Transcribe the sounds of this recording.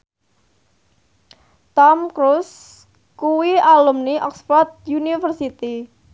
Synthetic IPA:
t̪ɔmkɾus | kuwialumniʔɔksfɔrt̪̚junifərsit̪i

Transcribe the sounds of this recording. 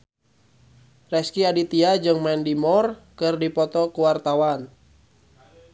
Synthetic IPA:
rɛskiadit̪iad͡ʒɨŋmɛndimɔrkɨrdipɔt̪ɔkuwart̪awan

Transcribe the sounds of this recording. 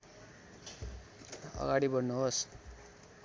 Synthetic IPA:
ʌ̰ɡaɽibʌnnuɦos

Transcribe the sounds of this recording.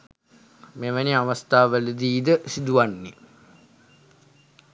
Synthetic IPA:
meʋəniaʋəst̪aːʋələd̪iːd̪əsid̪uʋanːi

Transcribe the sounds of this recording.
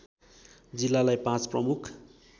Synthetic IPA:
d͡zilːalajpãt͡sprʌmukʰ

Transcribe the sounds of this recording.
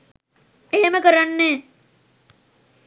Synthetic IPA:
eɦeməkəɾanːeː

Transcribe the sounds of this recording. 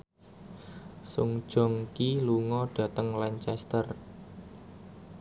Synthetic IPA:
sʊŋd̥ʒ̥ɔ̤ŋkiluŋɔɖ̥ä̤t̪əŋlaɲt͡ʃɛst̪ər

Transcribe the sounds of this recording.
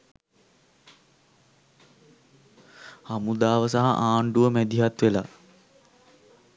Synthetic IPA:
hamud̪aːʋəsaɦa̰ʔaːɳɖuʋəmɛd̪iɦat̪ʋela̰

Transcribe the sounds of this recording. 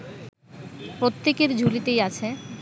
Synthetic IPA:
pɾot̪ːekeɾd͡ʑʱulit̪ejat͡ɕʰe

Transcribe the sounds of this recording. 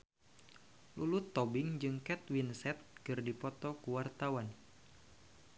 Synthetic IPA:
lulut̪ːɔbɪŋd͡ʒɨŋkɛt̪̚winsɛt̪̚kɨrdipɔt̪ɔkuwart̪awan

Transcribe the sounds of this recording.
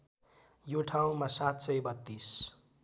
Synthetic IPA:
joʈʰaw̃masat̪sʌjbʌt̪ːis

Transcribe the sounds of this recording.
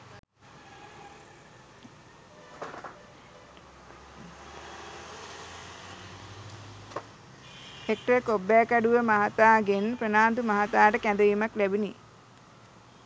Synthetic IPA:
hek̚ʈəkobːæːkaɖuʋəmaɦat̪aːɡenprənaːnd̪umaɦat̪aːʈəkæ̃nd̪əʋiːmaklæbini

